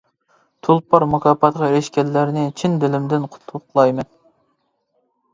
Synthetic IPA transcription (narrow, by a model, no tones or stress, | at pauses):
t̪ʰulˠpʰɑɾmukʰʲɑːpʰɑt̪ʁɑɾɪʃkʲɛlːæɾnɪt͡ʃʰind̪ɪlɪmd̪ɪnqʰʊ̥t̪ʰːʊqlˠɑjmɛn